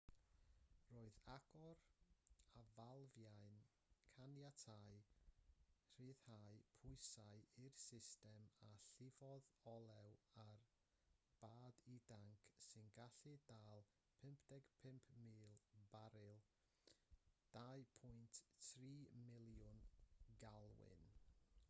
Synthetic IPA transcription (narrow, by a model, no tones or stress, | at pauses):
roːɨðaɡ̥ɔɾ | avalˠvjajn | kʰanjatʰaj | r̥ɨːð̥hajpʰʊɨsaɨirsɪstɛmaɬɪvɔðɔlˠɛwar | b̥aːdidaŋkʰsɨnɡaɬɨdaːlˠ | pʰɪmpʰd̥ɛɡ̥pʰɪmpʰmiːlˠbaɾɨlˠ | d̥aɨpʰʊjntθriːmɪlˠjʊnɡalˠwɪ̰n